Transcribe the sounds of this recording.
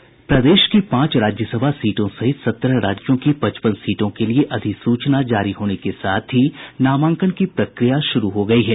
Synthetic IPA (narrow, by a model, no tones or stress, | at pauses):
pɾɐd̪eːʃkipãːt͡ʃɾaːd͡ʒjəsəbʱasiːʈõsɐɦɪsɐt̪ɾɾaːd͡ʒjõkipɐt͡ʃpənsiːʈõkelieʔɐd̪ʱɪksuːt͡ʃnad͡ʒaːɾiɦoːnekesaːt̪ʰɦinaːmãːŋkənkipɾɐkɾijaʃʊɾuɦoɡɐiɦɛː